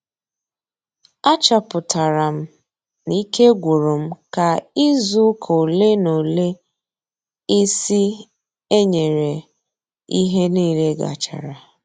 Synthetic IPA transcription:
a˦t͡ʃa˨pʊ˨tʰa˨ɾa˨m̩˦ | ni˦ke˦ɡʷu˨ɾo˨m̩˦ka˨i˦zu˦kʰo˨le˦no˨le˦ | i˦si˦ | e˦ɲe˨ɾe˨ | i˦ɦe˦niː˦le˦ɡa̰˨t͡ʃa̰˨ɾa˨

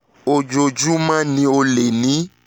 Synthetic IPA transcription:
o˨d͡ʒo˧d͡ʒu˦mã˦nĩ˧o˧le˨nĩ˨˦

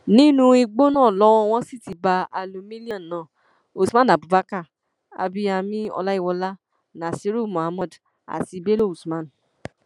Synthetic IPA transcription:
nĩ˦nũ˦i˧ɡ͡bo˦nãː˦˨lɔ˦w̃ɔ̃˧w̃ɔ̃˧si˦˨ti˧˦ba˧a˧lu˧mĩ˦li˦ɔ̃˦˨n˨nã˨˦˨ | o˨su˨mã˦n˨a˨bu˨ba˦ka˦˨ | a̰˧bi˦a˧mĩ˦ɔ̰˧la˦i˦˨wɔ˧la˦ | nã˨si˧˦ɾu˦˨mɔ̃˨a˨˧mɔ˦˨d | a̰˨ti˧be˦lo˦˨u˨su˨mã˦˨n˨

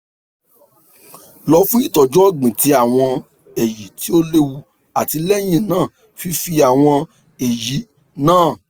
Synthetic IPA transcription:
lɔ˧fũ˦i˦˨tɔ˨d͡ʒɔ˦ɡ͡bĩ˨ti˧a˨w̃ɔ̃˧ | e˨ji˨ti˨˦o˦le˦wu˧ | a˨ti˧lɛ˦j̃ĩ˦˨nãː˦˨ | fi˧fi˧a˨w̃ɔ̃˧ | e˨ji˨˦ | nãː˦˨

